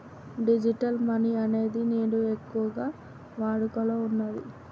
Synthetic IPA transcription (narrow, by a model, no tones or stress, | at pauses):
ɖid͡ʒiʈɐlmɐniɐne̞ːd̪ineːɽuekːuʋɐɡaː | ʋaːɽukɐloːunːad̪i